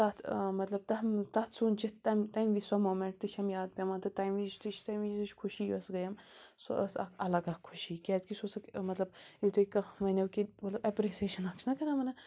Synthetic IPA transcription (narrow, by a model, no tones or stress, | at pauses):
t̪ɐt̪ʰmɐt̪lɐb̚t̪ɐɦmt̪ɐt̪ʰsuːnt͡ʃit̪ɐmt̪ajmʋisɐmoːmeɳʈ̚t̪iʃʰɐmjaːd̪̚pʲemaːnt̪ʰɨt̪aːjmʋit͡ʃt̪it͡ʃʰt̪ajmʋizit͡ʃʲkʰuʃijɐsɡɐjɐmso̰ʔɐsɐ̰kɐlɐɡɐkʰːuʃiːkʲɛːzkisoːsɐkmɐt̪lɐbilt̪ɐkːɐʋɐnʲɐwkimɐt̪lɐbɐpɾiseʃɐnɐkt͡ʃʰnɐkɐɾamɐnɐ